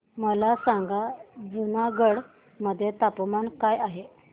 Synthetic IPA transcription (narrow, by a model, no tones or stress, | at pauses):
məlasaŋɡad͡zunaɡəɽ | məd̪ʱjet̪apmankajaɦe